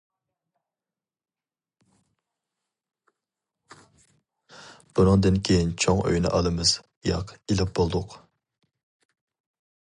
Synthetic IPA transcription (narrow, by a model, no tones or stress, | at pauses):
b̥unɨŋd̪ɨnkʲʰejint͡ʃʰoŋø̰jnɪ̰ʔɑlˠɨmɨz̥ | jɑqilɪp̚b̥olˠd̪ʊq